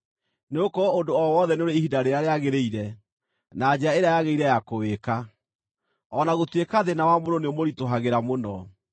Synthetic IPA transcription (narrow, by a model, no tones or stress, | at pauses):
neokɔondoɔwɔðɛneoɾeiɦidaɾeɾaɾeaɣeɾeiɾɛ | nad͡ʑeaeɾeajaɣeiɾɛjakoweka | ɔnaɣotwekaðenawamoɾoneomoɾitoɦaɣeɾamonɔ